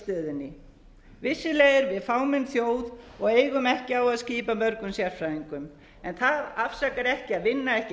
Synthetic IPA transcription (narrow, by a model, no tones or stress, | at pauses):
t̪ʏːðɪnːɪ | vɪsːɪleːjðɪɾvɪðfaːwmɛnθjoːwðɔɣeːjɣʏmɛhcɪawaðsciːpamœɾkʏmsjɛɾ̥fɾajðiŋkʏm | ɛnθaðafsakaɾɛhcɪaðvɪnːaɛhcɪ